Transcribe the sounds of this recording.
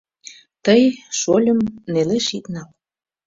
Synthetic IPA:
t̪əjʃolʲəmneleʃit̪nɑl

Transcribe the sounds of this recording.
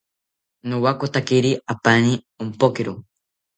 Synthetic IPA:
nowakot̪akeɾiapani | ompokeɾo

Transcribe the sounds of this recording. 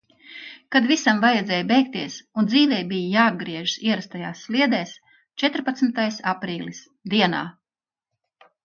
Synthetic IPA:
kad̪visamvajɛd̪zɛːjbɛjk̚t̪iɛsund̪ziːvɛjbijjaːb̪̚ɡɾiɛʒ̥siɛɾast̪ajaːsːlʲiɛd̪ɛːs | t͡ʃɛt̪ɾpat̪smit̪ajsapɾiːlʲis | d̪iɛna̰ː

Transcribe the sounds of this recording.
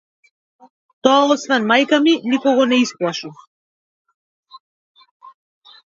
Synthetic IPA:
t̪ɔaɔsvɛnmajkaminikɔɡɔnɛisplˠaʃu

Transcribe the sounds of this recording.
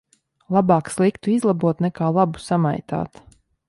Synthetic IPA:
lˠabaːkslˠikt̪uizlˠabuɔt̪nɛkaːlˠabu̥sama̰jt̪a̰ːt̪

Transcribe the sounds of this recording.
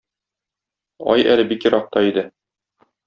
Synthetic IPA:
ɒ̰jæ̰lɘbikjɤ̆ɾɑq̚t̪ɑid̪ɘ

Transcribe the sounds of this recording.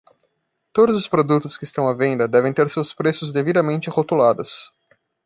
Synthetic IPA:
t̪od̪ʊzʊspɾod̪ut̪ʊskɪst̪ɐ̃w̃ɐvẽnd̪ɐd̪ɛvẽj̃t̪eɾsewspɾesʊzd̪evid̪ɐmẽnt͡ʃɪhot̪ulad̪ʊs

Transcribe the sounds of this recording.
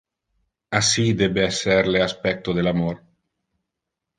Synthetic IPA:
asid̪ebeeseɾleaspɛk̚t̪oðelamoɾ

